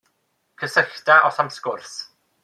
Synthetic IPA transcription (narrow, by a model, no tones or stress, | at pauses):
kʰəsəɬtaʔɔsamskʊrθ